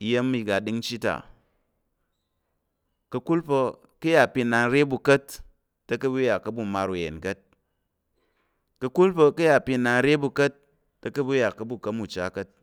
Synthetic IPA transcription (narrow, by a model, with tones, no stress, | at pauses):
i˨˦je˦mː˦i˧ɡa˨di˦ŋt͡ʃi˦ta̰˨ | kɐ˧ku˦lpo˧ | kɨ˦ja˨pi˧˨na˧n˦ɾe˦bu˧kɐ˦tː | ɐ˦kɐ˦bu˦ja˨kːɐ˦bu˦˨ma˧ɾu˨jḛ˨nkɐ˦t̚ | kɐ˧ku˦lpə˧kɨ˦ja˨pi˧˨na˨n˦ɾe˦bu˧kɐ˦tː | ə˦kɐ˦bu˦ja˨kːɐ˦bu˦˨kɐ˦mu˨t͡ʃa˦kɐ˦t̚